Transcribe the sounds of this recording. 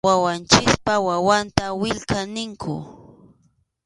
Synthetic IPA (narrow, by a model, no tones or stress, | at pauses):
awant͡ʃɪspawawant̪awɪʎkanɪŋkʰʊ̰